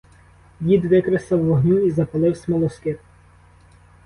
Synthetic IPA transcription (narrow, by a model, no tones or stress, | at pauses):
ʋʲid̪ʋɪkɾesɐwːɔɦnʲuizɐpɐlˠɪwsʲmɔlˠɔskɪt̪